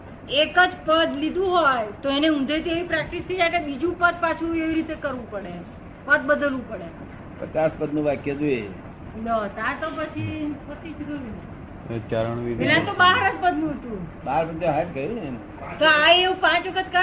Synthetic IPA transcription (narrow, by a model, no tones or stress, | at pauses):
ekəd͡ʒpəd̪lid̪ũɦojt̪oeneũnd̪ʱet̪ieʋĩpɾɛk̚ʈist̪ʰid͡ʒajklebid͡ʒũpət̪̚pat͡ʃʰueʋiɾit̪ekəɾʋũpəɽe | pət̪̚bəd̪əlʋũpəɽe | pət͡ʃaspəd̪̚nũʋakjət̪ue | nət̪aɾt̪opət͡ʃʰipot̪it͡ʃʰɡəjũne | t͡ʃaɾəɳ̃ʋielent̪obaɦɾəd͡ʒpəd̪ʱnũɦət̪ũbaɾpəd̪eɦaʈ̚kəjũne | t̪oaeũpãt͡ʃʋəkʰət̪kə